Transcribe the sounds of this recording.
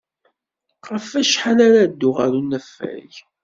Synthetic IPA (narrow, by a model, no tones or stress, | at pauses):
qɾəfæʃħanaɾad̪ːʊʁæɾunːæfːæ̰ʝ